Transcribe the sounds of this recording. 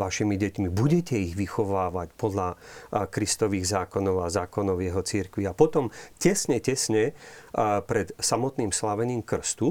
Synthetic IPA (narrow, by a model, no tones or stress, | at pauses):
ʋaʃimiɟɛcmibuɟɛcɛiɣʋixɔʋaːʋacpɔd̪lakɾist̪ɔʋiːɣzaːkɔnɔʊazaːkɔnɔʊjɛɦɔt͡siɾkʋiapɔt̪ɔmcɛsɲɛcɛsɲɛ | pɾɛt̪samɔt̪niːmslaʋɛɲiːmkr̩st̪u